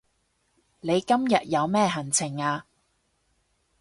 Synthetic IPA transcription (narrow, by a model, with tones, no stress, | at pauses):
ne˨˧jkɐ˥mjɐ˨t̚jɐ˨˧wmɛː˥ɦɐ˨˩nt͡sʰɪ˨˩ŋaː˧